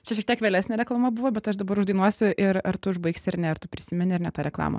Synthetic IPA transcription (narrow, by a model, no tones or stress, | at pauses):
t͡ʃʲɛʃʲɛk̚t̪ʲiɛkʋʲeːlʲæːsʲnʲɛɾʲɛklˠɐmɐbuʋoːbʲɛt̪ɐʃd̪ɐbɐɾʊʒd̪ɐɪnuɔsʲʊʔɪɾɐɾt̪ʊɪʒbɐɪksʲɐɾnʲɛɐrt̪ʊpʲɾʲɪsʲɪmʲɪnʲɪɐɾnʲɛt̪ɑːɾʲɛklˠɑ̰ːmɐ̰